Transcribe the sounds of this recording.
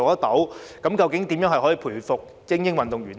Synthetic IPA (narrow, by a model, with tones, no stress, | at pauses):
ɐ˥t̪o˨˥wkɐ˨˦˥mkɐ˧wkɪ˨˥ŋt̪iː˨˥mjœː˧˥ŋhɐ˨jhɔː˨˥jiː˨˧pʰuː˨˩jfʊ˨k̚ | t͡sɪ˥ŋjɪ˥ŋwɐ˨nt̪ʊ˨ŋɥyː˨˩n